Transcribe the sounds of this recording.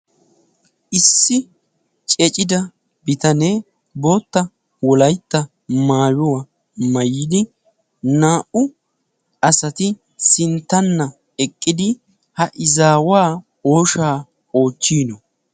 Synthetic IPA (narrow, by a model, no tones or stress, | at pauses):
ʔɪsːɪ | t͡ʃʼɛt͡ʃʼɪd̪ɐ | bɪt̪ɐneː | bo̞ːt̪ːɐ | wɔlɐjt̪ːɐ | maːwɔwɐ | mɐjɪd̪ɪ | naːʔʊ | ɐsɐt̪ɪ | sɪnt̪ːɐnːɐ | ɛkʼːɪd̪ɪ | hɐʔɪzaːwaː | o̞ːʃaː | o̞ːt͡ʃːiːnɔ